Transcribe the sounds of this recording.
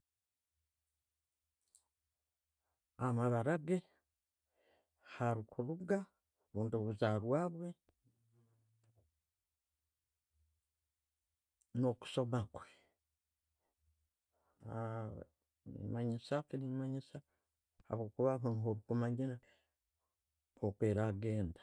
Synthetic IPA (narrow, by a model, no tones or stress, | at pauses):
amaβaɾaɡe | haɾikʰuɾuɡa | βuːnduβuzaɾwaːβwe̞ | no̞ku̥so̞makwe | ḭmaɲisakinimaɲisa | ha̰βwoːkuβaɦaŋɦoβukumaɲiɾa | okweɾaɡe̞ːndḁ